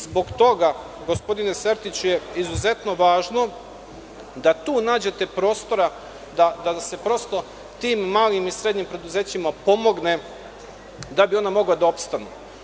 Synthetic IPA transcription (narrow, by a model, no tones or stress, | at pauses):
zbo̞ɡt̪o̞ɡa | ɡo̞spo̞d̪ine̞seɾt̪it͡ɕuje̞izuze̞t̪no̞ʋaːʒno̞ | d̪at̪uːnaːd͡ʑe̞t̪e̞pɾo̞ːst̪o̞ɾa | d̪ad̪ase̞pɾo̞st̪o̞ | t̪iːmːaːlimisɾed̪ɲimpɾe̞d̪uze̞ːt͡ɕimapo̞mo̞ɡne̞ | d̪abio̞namo̞ɡlad̪aopst̪anu